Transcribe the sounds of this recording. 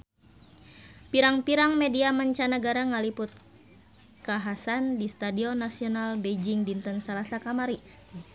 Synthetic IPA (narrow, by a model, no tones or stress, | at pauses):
piɾaŋpiɾaŋmediamaɲt͡ʃanəɡaɾaŋalipʊt̪̚ | kaɦasandist̪adiɔnːasiɔnalbed͡ʒiŋdint̪ənsalasakamaɾi